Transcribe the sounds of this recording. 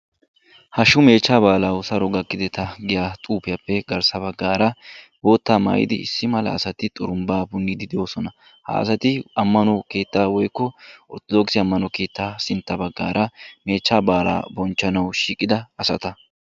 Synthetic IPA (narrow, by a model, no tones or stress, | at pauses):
hɐʃʊme̞ːt͡ʃːaːbaːlawʊsɐɾɔɡɐkːɪd̪ɛt̪ɐɡɪjaːt̪ʼuːpɪjapːɛɡɐɾsɐbɐɡːaːɾɐbo̞ːt̪ːaːma̰ːjɪ̰d̪ɪɪsːɪmɐlɐ̰ːsɐt̪ɪt̪ʼʊɾʊmbaːbʊŋɡɪd̪ɪd̪ɪjo̞ːsɔnɐ | ha̰ːsɐt̪ɪɐmːɐnɔke̞ːt̪ːaːwɔjkːɔɔɾt̪ɔd̪ɔksɪɐmːɐnɔke̞ːt̪ːaːsɪnt̪ːɐbɐɡːa̰ːɾɐme̞ːt͡ʃːaːbaːla̰ːbɔnt͡ʃːɐnɐwʃiːkʼːɪd̪ɐɐsɐ̰t̪ɐ